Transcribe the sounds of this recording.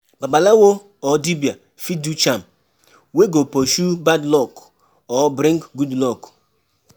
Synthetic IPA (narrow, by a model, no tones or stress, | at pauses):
babalawo | ɔdibia | fidut͡ʃam̩ | weɡopoʃubadlɔk | ɔbɾeŋkɡudlɔk